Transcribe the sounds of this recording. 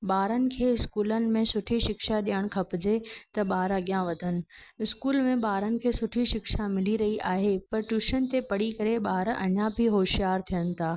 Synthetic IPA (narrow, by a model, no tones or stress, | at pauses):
ɓaːɾənɪ̆kʰeːɪskuːlənɪ̆mẽsʊʈʰiʃɪkʃaɗijəɽ̃kʰɐpɪd͡ʑet̪ɐɓaːɾɐɡjãʋɐd̪ʱənɪ̆ɪskuːlmẽɓaːɾənɪ̆kʰeːsʊʈʰiʃɪkʃamɪliɾɐɦiʔaːɦepɐɾʈjuːʃənt̪epɐɽikɐɾeɓaːɾɐ̰ɲãbʱɪɦoːʃijaːɾt̪ʰijənɪ̆t̪ʰaː